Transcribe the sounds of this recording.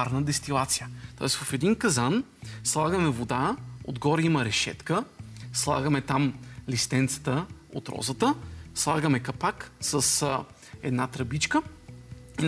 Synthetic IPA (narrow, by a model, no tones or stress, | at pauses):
aɾnəd̪ɛst̪ilˠat̪sijət̪ɔ̰ɛst̪vɐfɛd̪inkɐzan | slˠaɡəmɛvod̪ao̰d̪ɡɔɾimɐɾɛʃɛ̰t̪kəslˠa̰ɡəmɛt̪amlist̪ɛnt̪sə̥t̪əo̰t̪ɾɔ̰zət̪əslˠaɡəmɛkɐpaksəs | ɛd̪nat̪ɾɐbit͡ʃkə | in